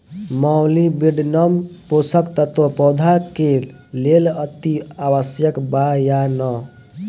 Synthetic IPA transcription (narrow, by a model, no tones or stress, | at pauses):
mawlibiɖnəmposəkt̪ət̪opɔd̪ʱakel | lelʌt̪iawəsjəkbajanɔ